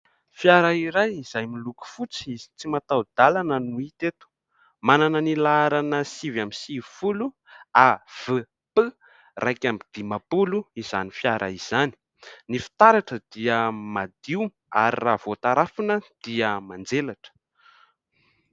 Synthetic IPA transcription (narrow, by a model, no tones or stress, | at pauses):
fjaɾaiɾajiz̥ajmiluku̥fut͡siizi̥t͡simat̪awd̪̥alanənuit̪et̪u̥ | mananənilaaɾanəsivamisivifulu | av̥ə | pə | rʔajkambid̪̥imapuluizanifjaɾʔa̰iz̥ani̥ | nifi̥t̪aɾaʈ͡ʂəd̪̥iəmad̪̥iw | a̰ɾirav̥ot̪aɾafunəd̪̥iəmand͡zelaʈ͡ʂə̥